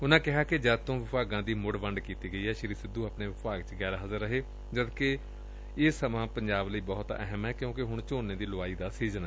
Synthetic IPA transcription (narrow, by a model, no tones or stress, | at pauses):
ʊnãːkɪɦaːkɪd͡ʒəd̚t̪õːʋɪpaːɡãːd̪iːmʊɽʋəɳɖkiːt̪iːɡəiːɦɛːʃɪɾiːsɪd̪uːapneːʋɪpaːɡ̚t͡ʃɡɛːɾaːɦəzəɾːəɦeː | d͡ʒəd̪ke | ɪːsəmãːpəɲd͡ʒaːbləiːbɔːt̪ɛ̰ɦəmɛːkjõːkɪɦʊɳt͡ʃoːnːeːd̪iːlʊaːiːd̪aːsiːzənɛ